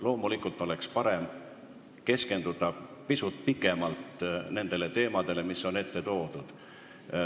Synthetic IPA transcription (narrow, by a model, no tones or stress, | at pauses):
lo̞ːmulikult̪ːˑo̞le̞kspɑɾe̞m | ke̞ske̞nd̪̥ud̪̥ɑpisut̪̚pikːˑe̞mɑlt̪ne̞nd̪̥e̞le̞t̪e̞ːmɑd̪̥e̞le̞misːo̞ne̞t̪ːe̞t̪o̞ːd̪̥ud̪̥